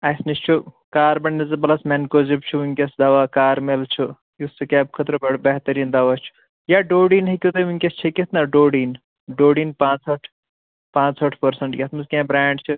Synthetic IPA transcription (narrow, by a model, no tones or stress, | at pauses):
ɐsnist͡ʃʰukaːɾbɐɳnɐzɐbɐlɐsmenkoːzib̚t͡ʃʰuuŋʲkʲɐsd̪ɐʋakaːɾmelt͡ʃʰu | just͡sɨkaːb̚kʰɐt̪ɾbɐɽbɐɦt̪ɐɾiːnd̪ɐʋaːt͡ʃʰu̥ | jaɖoːɽiːnɦikʲut̪ɐuŋʲkʲest͡ʃʰɐkʲit̪ʰnɐɖoːɽiːn | ɖoːɽiːnpãːt͡sɐʈʰ | pãːt͡sɐʈʰpɐɾsɐɳʈjʲɐt̪ʰmɨzkẽːbɾaːɳɖt͡ʃʰu